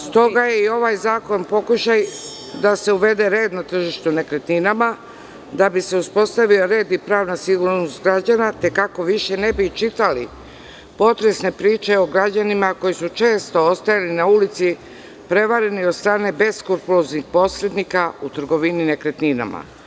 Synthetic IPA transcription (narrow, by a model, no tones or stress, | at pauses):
st̪o̞ɡajeio̞ʋajzaːko̞npo̞kuʃaj | d̪ase̞uʋe̞d̪e̞ɾe̞ːd̪nat̪r̩ʒiʃt̪unekɾet̪ninama | d̪abise̞uspo̞st̪aʋio̞ɾe̞ːd̪ipɾaːʋnasiɡuɾnost̪ɡɾad͡ʑanat̪e̞kako̞ʋiʃe̞ne̞bit͡ʃit̪ali | po̞t̪ɾe̞sne̞pɾiːt͡ʃe̞o̞ɡɾad͡ʑanimako̞jisut͡ʃe̞ːst̪o̞ost̪ajalinaulit̪si | pɾe̞ʋaɾe̞niod̪st̪ɾaːne̞be̞skuɾpuloznixpo̞sɾed̪nikaut̪ɾ̩ɡo̞ʋinine̞kɾet̪nina̰ma̰